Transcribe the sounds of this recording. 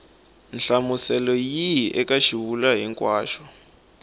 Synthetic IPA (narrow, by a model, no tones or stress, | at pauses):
nɬamusɛlɔjiʔɛkʼaʃiβulaɦiŋkʼwaːʃɔ̥